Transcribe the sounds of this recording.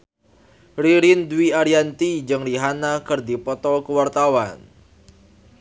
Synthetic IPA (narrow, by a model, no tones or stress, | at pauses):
riɾindwiaɾiant̪id͡ʒɨŋriɦanakɨrdipɔt̪ɔlkəwart̪awan